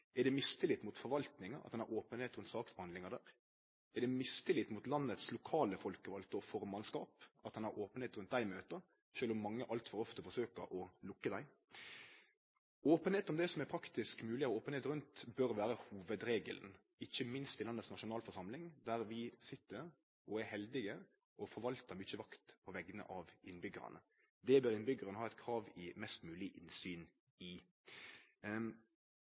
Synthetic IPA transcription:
æd̪ɛmɪst̪əlɪt̪mʊt̪fɔɾʋɑlt̪nɪŋɑɑ̰t̪d̪ɛnæɾoːpənheːt̪ɾʉnt̪sɑːksbəhɑnd̪lɪŋɑd̪æːɾ | æɖ̪ɛmɪst̪əlɪt̪mʊt̪lɑnːət̪slʊkʰɑːləfɔlkəʋɑlt̪ɔfɔɾmɑnskɑːpɑt̪d̪ɛnæɾʔoːpənheːt̪ɾʉnt̪̚d̪æɪmøːt̪ə | ɕøːlʊmːɑŋːəʔɑlt̪fɔɾɔft̪əfɔɾʂøːkəɾʔɔlʊkːəd̪æɪ | oːpənheːt̪ɔmd̪ɛsɔmæpʰɾɑkt̪ɪskmʉːlɪɔoːpəneːt̪ɾʉnt̪bœɾʋæːɾəhuːʋəd̪ɾeːɡəln̩ | ɪçːəmɪnst̪ɪlɑnːətsnɑʃʊnɑːlfɔʁʂɑmlɪŋd̪æɾʋɪsɪt̪ːəɾ | ɔæhɛld̪ɪɡə | ɔfɔɾʋɑlt̪əmʏçəʋɑkt̪pʰɔʋɛɡənə̰ʔɑʋɪnbʏɡəɾə̰nə | d̪ɛbøːɾɪnbʏɡəʁənəhɑːɛɪt̪kʰɾɑːʋɪmɛst̪mʉːlɪʔɪnsyːn | ɪ

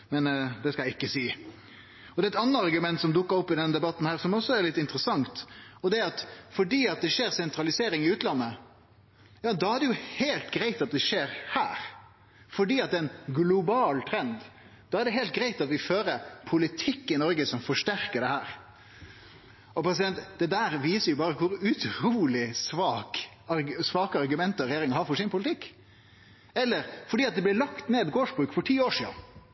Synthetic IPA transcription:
mɛnd̪ɛskɑljæɪɪkːəsiː | ɔd̪ɛɛt̪ɑnːəɑɾɡʉmɛnt̪sɔmd̪ʊkːəɾɔpːɪd̪ɛnːəd̪ɛbɑt̪ːn̩hæːɾsɔmɔsːɔæɾlɪt̪ːɪnt̪ɾəsɑŋt̪ɔd̪ɛæɾɑt̪fɔɖiːɑt̪̚d̪ɛʂeːɾsɛnt̪ɾɑlɪseːɾɪŋɪʉːt̪lɑnːə | jɑːd̪ɑːæɖɛjʊheɪlt̪ɡɾæɪt̪ɑt̪̚d̪ɛʂeːɾhæːɾ | fɔɖiːɑt̪̚d̪ɛɛnɡlʊbɑːlt̪ʰɾɛnd̪ | d̪̥ɑːæɖɛɦɛɪlt̪̚ɡɾæɪt̪ɑt̪ʋɪføːɾəpʰʊlɪt̪ʰɪkːɪnɔɾɡəsɔmfɔʂʈæɾkəɖɛhæːɾ | ʔɔpʰɾɛs̬ɪd̪ɛnt̪d̪̥ɛd̪æːɾʋiːsəɾjʊbɑːɾəkʰʊɾʉt̪ʰɾuːlɪsʋɑːk | ɑɾsʋɑːkəɑɾɡʉmɛnt̪ɔɾɛjeːɾɪŋɑhɑɾfɔʂɪnpʰʊlɪt̪ʰɪkː | ɛlːəɾfɔɖiːɑt̪̚d̪ɛblɪlɑkt̪neːd̪ɡoːʂbɾʉːkfɔʈʰiːoːʂḭːɑ̰n

